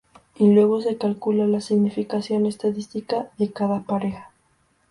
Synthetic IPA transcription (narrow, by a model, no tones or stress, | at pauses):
ilwe̞ɣ̞o̞se̞kalkulalasiɣnifikasjo̞ne̞st̪aðist̪ikaðe̞kaðapaɾe̞xḁ